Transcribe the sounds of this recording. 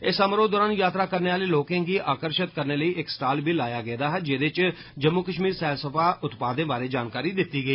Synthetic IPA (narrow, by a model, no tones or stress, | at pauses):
ɪsəmɾoːd̪ɔːɾaːnjaːt̪ɾaːkəɾneːaːliːloːkãːɡiːʔaːkəɾʃət̪kəɾneːləiːʔɪksʈaːlbʱiːlaːjaːɡɛːd̪aːɦɛːd͡ʒɪd̪ɪt͡ʃ | d͡ʒəmːukəʃmiːɾsɛːlsəpʰaːʔʊt̪paːd̪ə̃ːbaːɾeːd͡ʒaːnkaːɾiːd̪ɪt̪ːiːɡəiː